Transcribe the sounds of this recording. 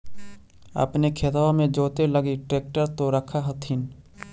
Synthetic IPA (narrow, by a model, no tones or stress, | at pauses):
ə̰pnekʰeːt̪aːamẽd͡ʒoːt̪eləɡiʈɾeːk̚ʈəɾt̪oɾəkʰaɦɐt̪ʰiːn